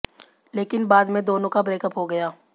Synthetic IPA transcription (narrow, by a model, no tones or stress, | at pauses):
leːkɪnbaːd̪mẽd̪oːnõkabɾeːkəpɦoɡɐjaː